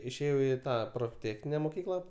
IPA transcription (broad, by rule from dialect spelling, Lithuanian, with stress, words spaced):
ɪʃʲeːˈjɛʊ ɪ ˈtɑː proːfʲˈtʲeːxʲnʲɪnʲɛ moːˈkʲiːklˠɐ